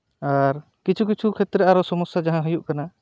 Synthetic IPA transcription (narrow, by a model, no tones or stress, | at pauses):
aɾ | kit͡ʃʰuk̬it͡ʃʰukʰɛt̪ɾeaɾɔsɔmɔsjad͡ʒaɦãɦəjuʔkana